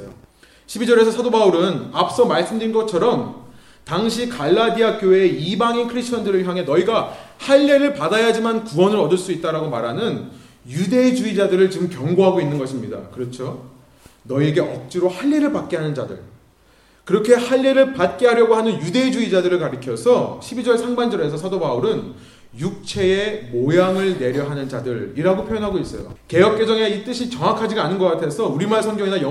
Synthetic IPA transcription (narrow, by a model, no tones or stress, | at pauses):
jo̰ | ɕʰibid͡ʑʌɾe̞sʰʌsʰʌdobauɾɯnap̚s͈ʌmaɭs͈ɯmdɯɾinɡʌt͡ɕʰʌɾʌm | taŋɕʰikaɭːadiakjoeeibaŋinkʰɯɾisʰt͡ɕʰʌndɯɾɯɭçjaŋɦenʌiɡahaʎːeɾɯɭpadajad͡ʑimankuwʌnɯɾʌdɯɭs͈uit̚t͈aɾaɡomaɾɦanɯn | jude̞d͡ʑuid͡ʑadɯɾɯɭt͡ɕɯmkjʌŋɡoɦaɡoinːɯnɡʌɕʰimɲida̰kɯɾʌt͡ɕʰo | nʌieɡe̞ʔʌk̚t͡ɕ͈iɾohaʎːiɾɯɭpat̚k͈eɦanɯnd͡ʑadɯ̰ɭ | kɯɾʌkʰe̞haʎːiɾɯɭpat̚k͈eɦaɾjʌɡoɦanɯnjude̞d͡ʑuid͡ʑadɯɾɯɭkaɾɯkʰjʌsʰʌɕʰibid͡ʑʌɭsʰaŋband͡ʑʌɾe̞sʰʌsʰadobauɾɯn | juk̚t͡ɕʰe̞emojaŋɯɭne̞ɾjʌɦanɯnd͡ʑadɯɾiɾaɡopʰjojʌnɦaɡois͈ʌjo̰ke̞jʌp̚k͈e̞d͡ʑʌŋeit͈ɯɕʰit͡ɕʌŋakʰad͡ʑiɡanɯnɡʌk͈atʰe̞sʰʌuɾimaɭsʰʌŋɡjʌŋinajʌ